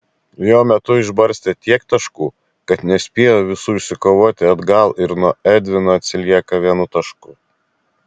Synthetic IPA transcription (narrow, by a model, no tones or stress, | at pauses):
joːmʲɛt̪ʊɪʒbɐɾʲsʲt̪ʲeːt̪ʲiɛkt̪ɐʃkuː | kɐt̪nʲɛsʲpʲiɛjoːʋʲɪsuːɪʃʲsʲɪkoːʋoːt̪ʲɪɐd̪ɡɐlˠɪɾnuɔɛd̪ʲʋʲɪnoːɐt̪ʲsʲɪlʲiɛkɐʋʲiɛnʊt̪ɐʃkʊ